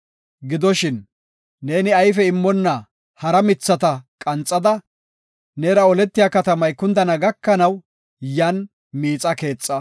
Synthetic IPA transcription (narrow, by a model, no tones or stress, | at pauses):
ɡɪd̪ɔʃɪnː | e̞ːnɪɐjfɛɪmːɔnːɐ | hɐɾɐmɪt͡sːɐt̪ɐkʼɐnt͡sʼːɐd̪ɐ | neːɾɐɔlɛt̪ːɪjaːkɐt̪ɐmɐjkʊnd̪ɐnɐɡɐkːɐnɐw | jɐn | miːt͡sʼɐke̞ːt͡sʼːɐ